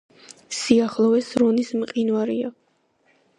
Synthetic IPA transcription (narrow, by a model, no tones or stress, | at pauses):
siaχlˠɔɛsɾɔnismqʼinvaɾia